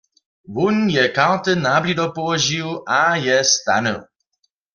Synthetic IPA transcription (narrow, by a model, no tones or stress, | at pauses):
vunjɛkaɾt̪ɨnablʲid̪ɔpɔlɔʒiwʔajɛst̪a̰nɛ̰w